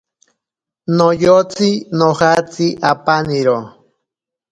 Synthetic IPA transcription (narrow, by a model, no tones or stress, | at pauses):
nojot͡sinohat͡siʔapaniɾo